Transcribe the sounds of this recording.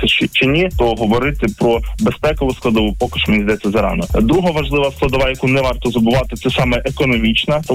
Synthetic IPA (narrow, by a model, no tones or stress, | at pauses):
sɛt͡ʃt͡ʃɪnʲit̪ɔɦɔʋɔɾɪt̪ɪpɾɔbespɛkɔʋʊsklˠɐd̪ɔʋupɔkɪʃmenʲizʲd̪ɛt̪sʲɐzɐɾɑ̰nɔd̪ɾuɦɐʋɐʒlˠɪʋɐsklˠɐd̪ɔʋɑjɐkunɛʋɑrt̪ɔzɐbʊʋɑt̪ɪt̪sɛsɑmɛʔekɔnɔmʲit͡ʃnɐt̪